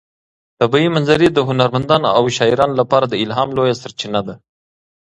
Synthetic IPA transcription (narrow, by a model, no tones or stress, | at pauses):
t̪abɑimanzaɾid̪əɦʊnaɾmand̪ɑːnawʃɑiɾɑnolapɑɾad̪əɪlɦɑːmlojasaɾt͡ʃinad̪a